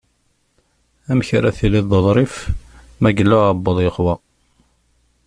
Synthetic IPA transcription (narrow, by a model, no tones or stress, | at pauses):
æmçɾaθiliððˤəðˤɾˤif | mæɡəlːʊɑbːəðˤjəqwɑ